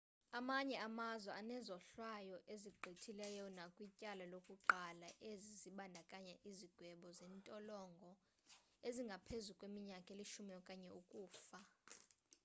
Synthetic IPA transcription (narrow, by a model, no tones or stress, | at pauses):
amaɲɛamazwɛanɛzɔɬwajɔʔeziɡ͡ǃʱitʰilɛjɔnakʼwicʼalalokʼuǃalaʔeziziɓandʱakʼaɲɛʔiziɡ̥ʱwɛɓɔzɛntʼɔlɔŋɡʱɔ | eziŋɡʱapʰezukʼwemiɲakʼeliʃumijɔkʼaɲɛukʼuːfa